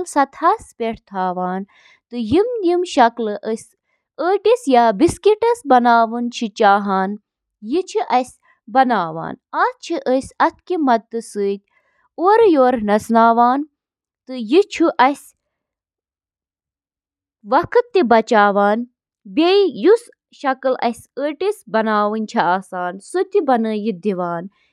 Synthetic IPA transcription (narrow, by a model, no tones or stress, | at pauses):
lsɐt̪ʰaːspʲeʈʰt̪ʰaːʋaːn | t̪ɨjimnimʃɐklɨʔəsʲ | əːʈisjaːbiskiʈɐsbɐnaːʋɨnt͡ʃʰit͡ʃaːɦaːn | jit͡ʃʰiʔɐsʲ | bɐnaːʋa̰ːnaːt͡ʃʰiʔəsʲɐt̪̚ʰkimɐt̪ːɨsɨːt̪̚ʲ | oːɾjoːɾnɐsnaːʋaːn | t̪ɨjit͡ʃʰuʔɐsʲ | ʋɐkʰɨt̪ːibɐt͡ʃaːʋaːn | bʲejus | ʃɐkɨlʔɐ̰sʲəːʈisbɐnaːʋɨnt͡ʃʰiaːsaːnsut̪ibɐnəːjid̪iʋaːn